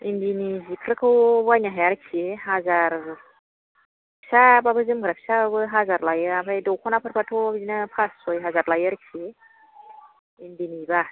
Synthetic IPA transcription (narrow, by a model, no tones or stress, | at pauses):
indinizikʰɾɯkʰɯwbajnaɦajaɾkʰieɦazaɾ | apʰsababɯzɯmɡɾapʰsababɯɦazaɾlajɯapʰajdɔwkʰɔnapʰaɾpʰatʰɔabzinɯpʰasɔjɦazaɾlajɯɾkʰie | indiniba